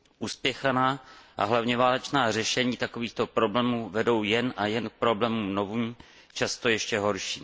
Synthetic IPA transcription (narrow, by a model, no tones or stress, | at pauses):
ʔuːspjɛxanaːʔa̰ɦlavɲɛvaːlɛt͡ʃnaːr̝ɛʃɛɲiːt̪akoviːxt̪o̞pɾo̞blɛːmuːvɛdo̞wjɛnʔajɛnk̚pɾo̞blɛːmumnovum | t͡ʃast̪o̞jɛʃcɛɦo̞ɾʃiː